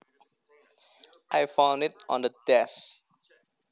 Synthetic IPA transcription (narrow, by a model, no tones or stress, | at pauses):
ʔajfãw̃ndɪt̚ɔ̰̃ndədɛs